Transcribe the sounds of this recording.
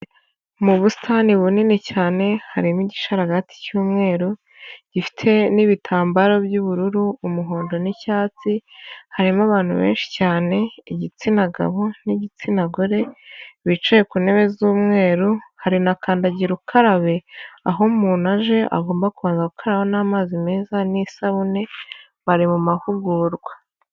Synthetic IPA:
muβusi̥tʰaniβuninicaːne̞haɾimiɟiʃaɾaɡati̥cuːmŋe̞ːɾo | ɟ̥ifi̥tʰe̞niβitʰaːmbaɾo̞bjuβuɾuɾuːmuɦo̞ːndo̞nicaːt͡sihaɾimaβaːn̥hṵβḛːnʃi̥caːne̞iɟit͡sinaɡa̰βoniɟit͡sinaɡoɾe̞βit͡ʃajekune̞βe̞zuːmŋe̞ːɾuhaɾinakʰaːndaɟiɾukʰaɾaβe̞aɦo̞muːnaʒe̞ʔa̰ɡo̞ːmbakuβaːnzaukʰaɾaβonaːmaːzime̞ːzanisaβune̞ | βaɾimumahuɡuɾɡwa

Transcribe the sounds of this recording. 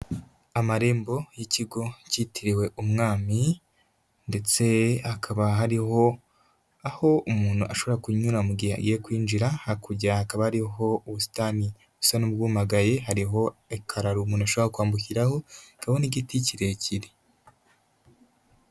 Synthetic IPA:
amaɾe̞ːmbo̞jiciɡo̞citʰiɾiwe̞ʔumŋaːmi | nde̞t͡se̞akʰaβaɦaɾiɦo̞ | aho̞umuːnhuʔaʃoβoɾakuɲuɾamuɡiɾa̰ɡiekwiːnd͡ʒiɾahakuɟahakaβahaɾiɦo̞uβusi̥taːni | usanub̚ɡuːmaɡaje̞ɦaɾiɦo̞ekʰaɾaɾumuːnuaʃoβɾahokwaːmbukiɾaho̞kahoniɟiticiɾeciɾi

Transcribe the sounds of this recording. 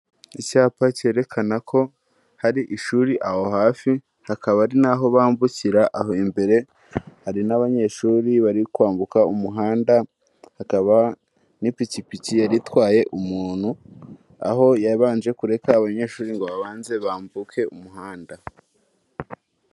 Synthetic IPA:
icaːpaceːɾe̞kʰanakʰo̞ | haɾiʔiʃuːɾiʔaho̞ɦaːfi | hakaβaɾinaɦo̞βaːmbuciɾaʔaɦoimbe̞ɾe̞ | haɾinaβaɲe̞ʃuːɾiβaɾikwaːmbukaumuɦaːnda | hakaβa | nipicipicijaɾitwaːje̞ʔumuːn̥hu | a̰ɦo̞jaβaːnd͡ʒe̞kuɾe̞kaːβaɲe̞ʃuːɾiŋɡo̞βaβaːnze̞βaːmbukʰe̞umuɦaːnda

